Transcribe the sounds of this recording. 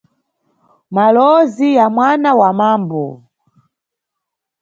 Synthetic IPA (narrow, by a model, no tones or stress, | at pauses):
malɔzijamwanawamaːmbɔ̰